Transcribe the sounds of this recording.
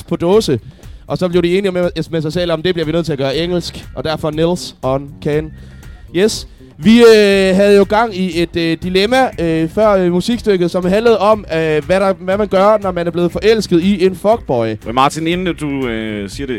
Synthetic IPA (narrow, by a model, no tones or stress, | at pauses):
pʰɒ̽d̥ɔːsəʔɒ̽sɒ̽b̥liɐdie̝ːniemesɑ̈ɪsel̰ɒ̽md̥e̝b̥liɐʋinøð̰ˠt͡sʰe̝æɡ̥ɶːɐeŋ̰l̩sɡ̥ʔɒ̽d̥æɐfɒ̽nilsɒnkʰæn | jes | ʋiøɦæð̞̩ˠjo̝ɡ̥ɑ̈ŋ̰ie̝d̥ːilemæøfɶɐ̰musiɡ̥sd̥øɡ̥ð̞̩ˠsɒ̽mɦænləð̩ˠɒ̽møʋæɾ̥ɑ̈ʋæmænɡ̥ɶɐnɒmænæɐb̥le̝ːð̩ˠfɒ̽ʔel̰sɡ̥ð̩ˠie̝nfɒ̽ɡ̥̚b̥ɒɪmɑ̈ːt͡sʰinenəd̥usiːɐɾe